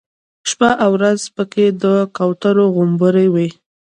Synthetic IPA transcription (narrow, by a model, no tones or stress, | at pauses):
ʃpaʔawɾazpəked̪əkawt̪aɾoɣʊmbəɾajwi